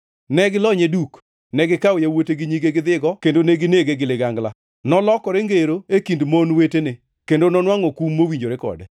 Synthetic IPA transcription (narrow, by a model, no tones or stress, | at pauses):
nɛɡɪlɔɲeduk | nɛɡɪkawjawoteɡɪɲiɡeɡɪd̪ɪɡɔkendoneɡɪneɡeɡɪlɪɡaŋɡla | nɔlɔkɔɾeŋɡeɾoekindmonwetene | kendonɔnwaŋɔkumːowiɲd͡ʒoɾekɔ̰dɛ